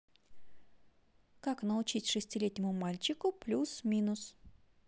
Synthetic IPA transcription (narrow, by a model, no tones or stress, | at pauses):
kaknəʊt͡ɕitʲʂɨsʲtʲɪlʲetʲnʲɪmʊmalʲt͡ɕɪkʊplʲusmʲinʊs